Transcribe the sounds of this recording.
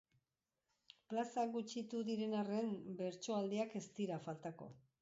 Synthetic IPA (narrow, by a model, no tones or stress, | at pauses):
plasaɣut͡ʃit̪uðiɾe̞nare̞mbe̞ɾt͡ʃo̞ald̪eake̞st̪iɾafalt̪ako̞̰